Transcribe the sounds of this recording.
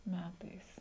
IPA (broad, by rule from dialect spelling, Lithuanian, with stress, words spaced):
ˈmʲætɐɪs